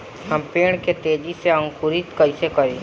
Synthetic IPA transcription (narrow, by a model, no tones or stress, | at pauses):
həmpeːɽ̃ket̪eːd͡ʒiseə̃ŋkʊɾɪt̪kəisekɐɾeː